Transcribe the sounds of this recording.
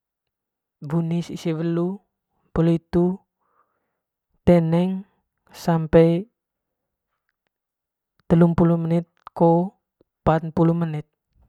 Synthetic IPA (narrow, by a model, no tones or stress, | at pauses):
bunisisiwəlu | pəluit̪u | t̪ɛnɛŋ | sampɛi | t̪əlumpulumənɪt̪̚ko | pat̪̚pulumənɪt̪̚